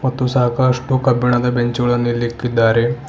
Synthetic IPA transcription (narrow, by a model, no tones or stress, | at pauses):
mɐt̪ːũsakaʂʈukɐbiɳad̪abeɲt͡ɕʋɭɐnːilːikːid̪aɾe